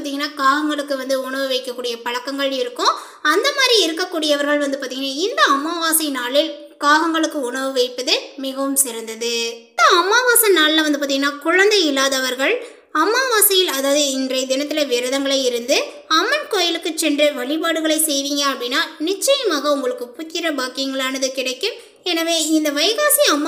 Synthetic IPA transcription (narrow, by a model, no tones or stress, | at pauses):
t̪iŋɡɐnːaːkaːɣɐŋɡɐɭɯkːɯʋɐnd̪ɯʊɳɐʋɯʋɐɪkːɐkːuːɽɪjɐpɐɻɐkːɐŋɡɐɭɪɾɯkːʊ̃ | ɐnd̪ɐmaːd̪ɾiɪɾɯkːɐkːuːɽɪjɐʋɐɾɣɐɭʋɐnd̪ɯpaːɾt̪iːŋɡɪnaːɪnd̪ɐɐmːaːʋaːsɐnaːlɯ | kaːɣɐŋɡɐɭɯkːɯʊɳɐʋɯʋɐɪpːɐðɯmɪɣɐʋɯmsɪɾɐnd̪ɐðɯ | ɐɐmːaːʋaːsɐnaːllɐʋɐnd̪ɯpaːt̪iŋɡɐnːaːkʊɻɐnd̪ɐɪlːaːðɐʋɐɾɣɐɭ | ɐmːaːʋaːsɐjɪlɐðaːɐðɯɪndrɐɪd̪ɪnɐt̪ːɪlɐʋɪɾɐðɐŋɡɐɭɐɪɪɾɯnd̪ɯ | ɐmːɐnkoːjɐlɯkːɯt͡ʃːɛndrɐʋɐɭɪpaːɽɯɣɐɭɐɪsɛjʋiːŋɡɐɐpːɐɽɪnːaːnɪt͡ʃːɐjɐmaːɣɐʊŋɡɐɭɯkːɯpʊtːɪɾɐbaːkɪjɐŋɡɐɭaːnɐðɯkɪɽɐɪkːɯm | ɛnɐʋeːɪnd̪ɐʋɐjɣaːsiɐmː